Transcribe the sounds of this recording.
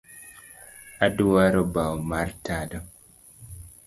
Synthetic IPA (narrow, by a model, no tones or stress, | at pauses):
aduwaɾɔbawmaɾtadɔ